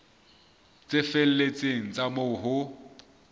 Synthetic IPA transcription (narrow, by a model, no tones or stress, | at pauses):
t͡sʼɪfel̩let͡sʼeŋ̩t͡sʼamʊɦʊ